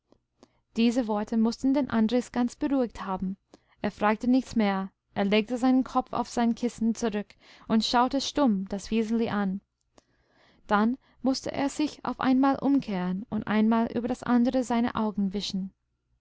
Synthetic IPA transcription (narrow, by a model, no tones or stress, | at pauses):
d̥iːzəvɔɐtʰəmʊstn̩deːnʔandʁɪsɡ̥ant͡sb̥əʁuːɪk̚thaːbm̩ | ʔeːɐfʁ̥aːk̚tənɪçt͡smeːɐ | ʔeːɐleːk̚təzaɪnənkʰɔp͡fa̰ʊfz̥aɪnkʰɪsn̩t͡suʁʏk | ʊntʃaʊtəʃtʊmd̥asv̥eːz̩liʔan | d̥an | mʊstə̰ʔḛːɐz̥ɪça̰ʊfʔa̰ɪnmaːlʔʊmkʰeːʁənʊntʔa̰ɪnmaːlʔy̰ːbɐdasʔandəʁəzaɪnə̰ʔaʊɡŋ̩vɪʃn̩